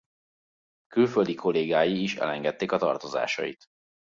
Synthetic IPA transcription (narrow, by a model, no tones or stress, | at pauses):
kylføld̪ikʰo̞leːɡaːjiːʃɛ̰lɛŋɡɛt̪ːeːkɒt̪ɒ̰rt̪o̞za̰ːʃɒ̰jḭt̪